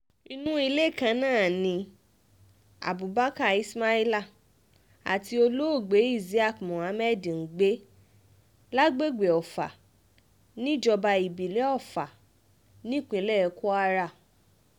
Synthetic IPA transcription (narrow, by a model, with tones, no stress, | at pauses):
i˧nũ˦i˧le˦˨kã˧nãː˦˨nĩ˧ | a̰˨bu˨ba˦ka˦˨i˦sma˦i˦la˦˨ | a̰˨ti˧o˧lo˦o˦˨ɡ͡be˨˦i˦˨zi˨˦a˦˨kmɔ̃˨a˨˦mɛ˦dĩ˨n̩˨ɡ͡be˦ | la˦ɡ͡be˦ɡ͡be˨ɔ˨fa̰˨ | nĩ˦d͡ʒɔ˧ba˧i˨bi˨lɛ˨˦ɔ˦˨fa˨ | nĩ˦˨k͡pĩ˨˧˦lɛ˦˧ku˦a˧ɾa˦˨